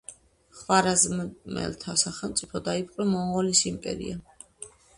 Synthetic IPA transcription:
χvaɾazmmɛ̰lt̪ʰasaχɛlˠmt̪sʼipʰɔd̪aipʼqʼwɾɛmɔɴʁɔlisimpʼɛ̰ɾḭa

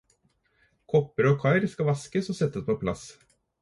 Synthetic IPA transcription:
kʰɔpːəɾɔkʰɑɪɾskɑʋɑskəsɔsɛt̪ːəspʰoɔɛpʰlɑ̰s

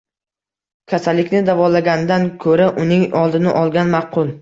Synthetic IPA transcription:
kʲʰasalːɪkʲnɪd̪avɒlaɡʲanɪd̪ankʰɵɾaʔʊnɪŋɒlˠd̪ɪnɪʔɒlˠɡʲanmɑqʰʊlˠ

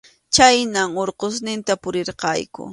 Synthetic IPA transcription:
t͡ʃajnaŋoɾqos̬nɪnt̪apʊɾɪɾqɑ̰jkʊ̰

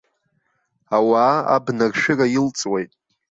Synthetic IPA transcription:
awaːa̰bnarʃᶣɪrajilt͡sʼwejtʼ

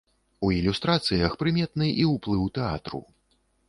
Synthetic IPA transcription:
uilʲust̪ɾat̪sɨjɐxpɾɨmʲɛt̪nɨʔiwplˠɨwt̪ɛa̰t̪ɾṵ

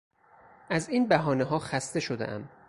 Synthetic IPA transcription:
ʔæziːnbæɦɒːneɦɒːxæst̪e̞ʃo̞d̪ḛʔæ̰m

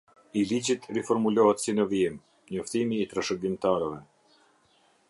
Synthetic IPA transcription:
ilid͡ʑit̪rɛfɔɾmulɔhɛt̪sinəvim | ɲɔft̪imiːt̪ɾaʃəɡimt̪aɾəvɛ

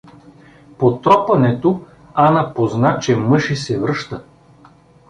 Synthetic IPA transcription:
pot̪ɾɔpɐnɛt̪o | anɐpoznat͡ʃɛmɤʃisɛvɾɤʃt̪ə

